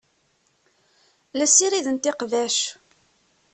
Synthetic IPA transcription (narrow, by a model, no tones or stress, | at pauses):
læsiɾiðənt̪ɪqvæʃ